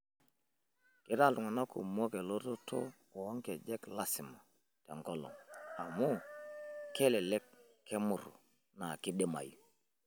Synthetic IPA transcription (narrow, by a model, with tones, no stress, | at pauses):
kɪ˨˦ɾa˦˨lʊ˨ŋa˨na˦kṵ˨mo˦ke˨lo˦to˦to̰˦ | ɔ˨ɔ˦ŋkɛ˨d͡ʒɛ˦kla˦sɪ˨ma˨ | tɛ̰˨ŋɡɔ˦lɔ̰˨ŋa˨mu˦ | kɛ˦lɛ˨lɛ˦kʰː | ɛ˦mʊ˨ɾṵ˨ | na˨kɪ˦ɗɛ˦ma̰˨ju˨